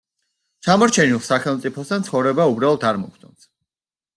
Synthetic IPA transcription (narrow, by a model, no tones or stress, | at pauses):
t͡ʃʰamɔɾt͡ʃʰɛnilˠsaχɛlˠmt̪sʼipʰɔsd̪ant̪sʰχɔvɾɛbaubɾalˠɔt̪ʰaɾmɔkʰt̪ʰʼɔns